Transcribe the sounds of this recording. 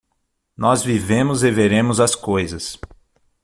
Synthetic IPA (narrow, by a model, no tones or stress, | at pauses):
nɔzvivẽmʊzɪveɾẽmʊzɐskojzɐs